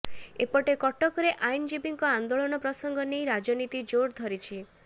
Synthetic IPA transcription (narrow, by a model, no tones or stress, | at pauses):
epɔʈekɔʈɔkɔɾeʔajnd͡ʒibiŋkɔand̪oɭɔnɔpɾɔsɔŋɡɔnejɾad͡ʒɔnit̪id͡ʒoɾd̪ʱɔɾit͡ʃʰi